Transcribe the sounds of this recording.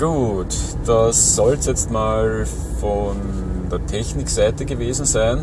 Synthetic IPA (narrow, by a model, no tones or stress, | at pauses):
ɡ̥uːt | d̥asːɔlstjɛt͡stmaːl | fɔn | deːɐtʰɛçnɪksæɪtəɡəveːzn̩zæɪn